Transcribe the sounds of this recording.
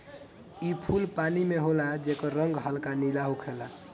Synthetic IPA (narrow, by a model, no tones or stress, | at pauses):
ipʰulpanimeɦolad͡ʒekəɾəŋɡɦəlkanilaɦukʰela